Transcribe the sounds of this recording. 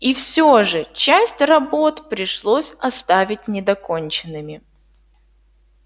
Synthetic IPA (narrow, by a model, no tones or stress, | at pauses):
ifsʲoʐɨt͡ɕæsʲtʲrɐbo̞t̪pɾʲɪʂlˠosʲɐst̪avʲɪt̚ʲnʲɪd̪ɐkonʲt͡ɕɪnːɨmʲɪ